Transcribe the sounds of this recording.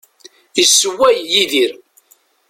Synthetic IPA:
jəsːəwæjjiðiɾ

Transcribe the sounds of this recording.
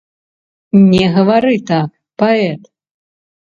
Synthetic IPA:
nʲɛɣɐvaɾɨt̪ak | paɛt̪

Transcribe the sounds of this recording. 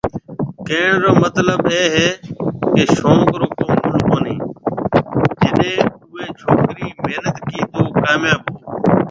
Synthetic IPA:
kẽːɳɾoːmət̪ləbeːɦeːkeːʃõːŋɡɾoːt̪õːʊlkoːniː | d͡ʒɪɗẽːʊʋeːt͡ʃʰoːkɾiːmeːnət̪kiːt̪oːkaːmjaːboː

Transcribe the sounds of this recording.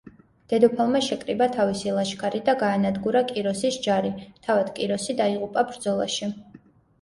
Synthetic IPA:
d̪̥ɛd̪ɔpʰalˠmaʃɛkʼɾibat̪ʰavisilˠaʃkʰaɾid̪aɡaːnad̪ɡuɾakʼiɾɔsisd͡ʒaɾit̪ʰavad̪̥kʼiɾɔsid̪aiʁupʼabɾd̪zɔlˠa̰ʃi

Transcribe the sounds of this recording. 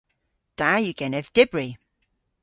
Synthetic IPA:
d̥ajʉɡɛnɛvd̥ɪbɹi

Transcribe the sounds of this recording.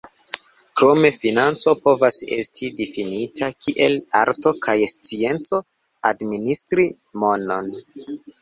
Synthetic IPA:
kɾo̞me̞finant͡so̞po̞vase̞̰stʰidifinitʰakʰiʔe̞laɾto̞kʰajst͡sie̞nt͡so̞ | administɾi | mo̞no̞n

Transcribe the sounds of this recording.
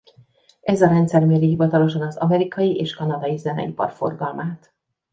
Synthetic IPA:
ʔɛzɒɾɛnt̪sɛrmeːɾiɦivɒt̪ɒlo̞ʃɒnɒzɒ̰mɛɾikɒjiʔeːʃkɒnɒd̪ɒjizɛnɛ̰ipɒ̰rfo̞̰rɡɒlmaːt̪

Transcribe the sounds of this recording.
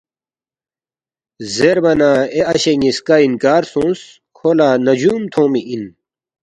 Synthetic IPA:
zeɾbɐnaeɐɕeŋiskainkaːɾsõːns | kʰoːlaːnɐd͡ʑuːmt̪ʰõːmiʔin

